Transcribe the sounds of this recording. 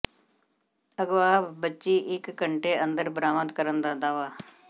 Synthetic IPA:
əɡʋaːbətːʃiːʔɪkːəɳʈeːənd̪əɾbəɾaːmət̪kəɾənd̪aːd̪aːʋaː

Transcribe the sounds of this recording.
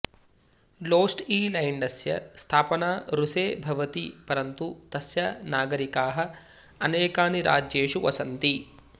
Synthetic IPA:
loːsʈiːlɐjɳɖɐsjɐ̰st̪ʰaːpɐnaːɾuseːbʱɐʋɐt̪ipɐɾɐnt̪ut̪ɐsjɐnaːɡɐɾikaːɦɐ̆ | ɐneːkaːniɾʔa̰ːd͡ʒeːʂuʋɐ̰sɐnt̪i

